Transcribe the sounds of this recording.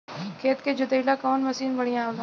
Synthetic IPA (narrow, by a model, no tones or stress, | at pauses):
kʰeːt̪ked͡ʒʊd̪eilakɔːnmɐsiːnbəɽ̤ijãol